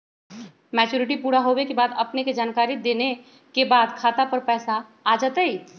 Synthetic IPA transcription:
mɛːt͡ʃuːɾɪʈipuːɽaɦowekebaːd̪ɐpneked͡ʒaːnkaːɾid̪eːne | kebaːd̪kʰaːt̪apəɾpɛːsaː | d͡ʒət̪əi

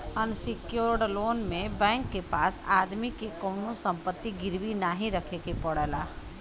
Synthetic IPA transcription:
ənsɪkjoːɾɖloːnmẽbɛ̃ːŋkːepaːsaːd̪mikekɔːnosə̃mpət̪ːiɡɪɾbinaːɦĩɾəkʰekepəɽəlaː

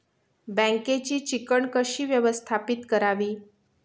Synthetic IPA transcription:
bə̃ŋket͡ɕiːt͡ɕikəɳkəɕiːʋjəʋəst̪ʰapit̪kəɾaʋiː

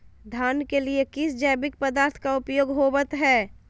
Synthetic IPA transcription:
d̪ʱaːnkeliekɪsd͡ʒɛːbɪk̚pəd̪aːɾt̪ʰkaʊpjoːɡɦoːbət̪ɦɛː

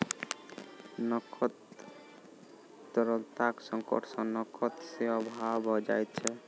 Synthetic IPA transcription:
nɔkʰɔt̪ | t̪əɾəlt̪aksəŋkɔ̰ʈʰsʌ̃nɔkʰɔt̪seɔbʱabʱɔd͡ʒajt̪̚t͡ʃʰɛ

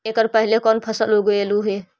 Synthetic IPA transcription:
ekəɾpəɦilekɔnpʰəsəlɦoɡoeluɦe

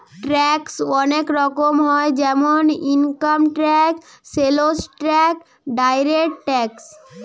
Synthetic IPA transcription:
ʈɾɛksɔnekɾɔkomɦɔed͡ʑɛmoniŋkamʈɾɛk | selosʈɾɛk | ɖajɾekʈʈɛks

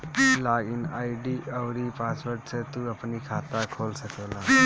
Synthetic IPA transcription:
laːɡɪnaːiɖiːʔəʋɾipaːspəɾʈset̪uəpnikʰaːt̪akʰoːlsəkʰeːlãː

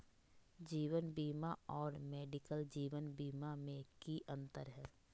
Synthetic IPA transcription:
d͡ʒiːwənbiːmaɔːɾmeːɖɪkəld͡ʒiːʋənbiːmamẽkiʔə̃nt̪əɾɦɛː

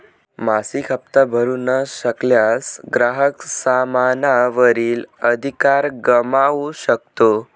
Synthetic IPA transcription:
masikʰap̚t̪abʱəɾunəɕəkljasɡɾaɦəksamanaʋəɾiːləd̪ʱikaɾɡəmaʋɕəkt̪o

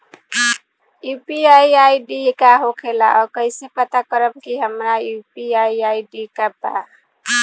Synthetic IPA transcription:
jupiajiaiɖikaɦokʰela̰ʔɔɾkəɪsepət̪akəɾəbkiɦəmɾajupiaiaiɖikaba̰

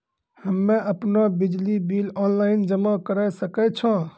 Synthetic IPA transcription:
həmːẽəpnobɪd͡ʒlibiːlɔːnlaːɪnd͡ʒəmakəɾəsəkɛt͡ʃʰɔ̃

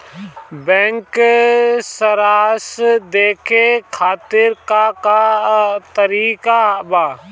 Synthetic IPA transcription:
bɛ̃ːŋk | səɾaːsd̪eːkʰekʰaːt̪ɪɾkakat̪əɾiːkabaː

